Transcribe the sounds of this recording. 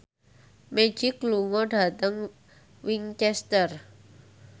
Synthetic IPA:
me̥d͡ʒ̥ɪkluŋɔɖa̤t̪əŋ | wiŋt͡ʃɛst̪ər

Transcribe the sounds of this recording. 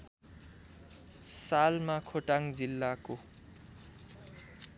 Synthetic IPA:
salmakʰoʈaŋd͡zilːako

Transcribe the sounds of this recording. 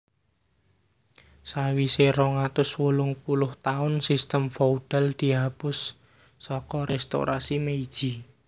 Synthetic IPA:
sawiseɾɔŋat̪ʊswolʊŋpulʊht̪aʊnsist̪əmfɔuɖ̥ɛld̪̥i̤ɦab̥ʊsː | ɔkɔɾɛst̪o̰ɾʔasimeid̥ʒ̥i

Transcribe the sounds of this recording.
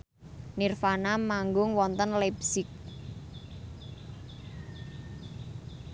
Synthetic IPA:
nirfanamaŋɡʊŋwɔnt̪ənlɛbsɪk̚

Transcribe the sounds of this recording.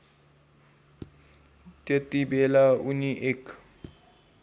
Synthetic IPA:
tet̪ibɛlauniʔɪk

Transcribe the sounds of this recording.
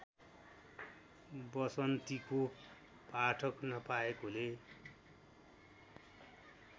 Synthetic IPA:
bʌsʌnt̪iko | paʈʰʌknʌpaekole

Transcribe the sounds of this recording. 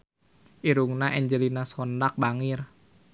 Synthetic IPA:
ʔiɾuŋnaʔɛɲd͡ʒəlinasɔndak̚baŋir

